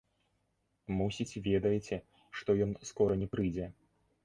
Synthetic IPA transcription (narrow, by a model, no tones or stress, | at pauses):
musʲit͡sʲvʲɛd̪ɐjɛt͡sʲɛ | ʂt̪ɔjɔnskɔɾɐnʲɛpɾɨjd͡zʲɛ